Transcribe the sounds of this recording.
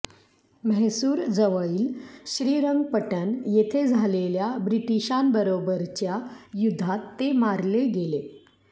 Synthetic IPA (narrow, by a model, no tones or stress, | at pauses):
məɦsuːɾd͡zəʋəɭiːlɕɾiːɾəŋɡpəʈənjet̪ʰed͡zʱaleljabɾiʈiɕambəɾobəɾt͡ɕjajud̪ʱːat̪ːemaɾleɡele